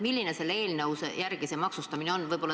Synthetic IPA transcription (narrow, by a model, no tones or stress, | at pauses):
milʲːineselːe̞ːlneusejærɡ̥isemɑksust̪ɑmineo̞nːvɤjb̥olːɑ